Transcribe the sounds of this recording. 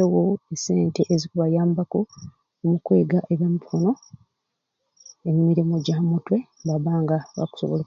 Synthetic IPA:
ewoese̞ːnteʔezikuβajaːmbako | omukwe̞ːɡaʔeβamupkono̞ | emimiɾimoɟamutwe̞mbaβaːŋɡaβa̰ku̥soβo̰lo

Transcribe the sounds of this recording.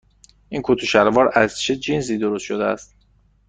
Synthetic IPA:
ʔinkʰot̪ʰoʃæɾvɒːɾæzt͡ʃʰed͡ʒins̬iːd̪oɾost̪ʃod̪eæ̰st̪

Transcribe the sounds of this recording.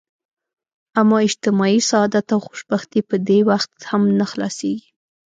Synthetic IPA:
amɑɪd͡ʒt̪ɪmɑisaɑd̪at̪awxo̥ʃbaxt̪ipəd̪ewaxt̪hamnaxlɑ̰seɡi̥

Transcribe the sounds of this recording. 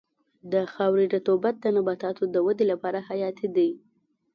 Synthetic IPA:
d̪əxawɾiɖat̪obat̪̚d̪ənabɑt̪ɑt̪od̪əwad̪elapɑɾahajɑt̪ʰid̪aj

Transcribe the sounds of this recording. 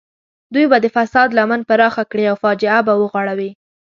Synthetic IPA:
d̪ujbad̪əfasɑd̪lamanpaɾɑxakɽiawfɑd͡ʒɪabawəɣwɑɽawi

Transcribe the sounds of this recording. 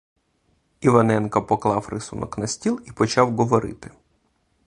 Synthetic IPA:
iʋɐnɛnkɐpɔklˠɑwɾɪsunɔ̰knɐsʲtʲilˠipɔt͡ʃɑwɣɔʋɔɾɪ̰t̪ɪ̥

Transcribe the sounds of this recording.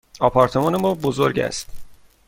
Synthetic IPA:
ɒːpʰɒːɾt̪ʰe̞mɒːne̞mɒːbozo̞ɾɟæ̰st̪

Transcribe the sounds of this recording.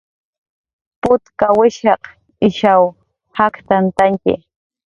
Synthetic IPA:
pʊt̪kawɪʃɑq | ɪʃaw | hakt̪ant̪aŋkɪ̰

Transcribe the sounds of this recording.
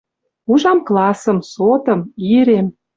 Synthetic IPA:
uʒɑmklɑsəmsot̪ɤ̆miɾem

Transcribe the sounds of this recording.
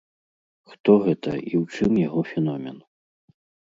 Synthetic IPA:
xt̪ɔɣɛt̪ɐ̰iwt͡ʂɨmjaɣɔfʲɛnɔmʲɛn

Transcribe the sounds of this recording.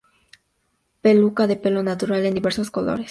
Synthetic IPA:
pe̞lukaðe̞pe̞lo̞nat̪uɾale̞nd̪iβe̞ɾso̞sko̞lo̞̰ɾes

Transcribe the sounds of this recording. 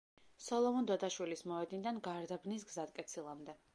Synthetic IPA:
sɔlˠɔmɔnd̪ɔd̪aʃwilismɔɛd̪nid̪anɡaɾd̪abnis̬ɡzad̪̚kʼɛt̪sʰilˠamd̪ɛ

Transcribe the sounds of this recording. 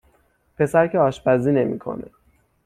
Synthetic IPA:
pʰe̞sæɾcʰeɒːʃbæziːne̞mḭkʰo̰nḛ

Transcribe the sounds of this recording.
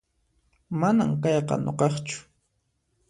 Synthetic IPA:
manamkɑjqɑ̰noqɑχt͡ʃʊ̥

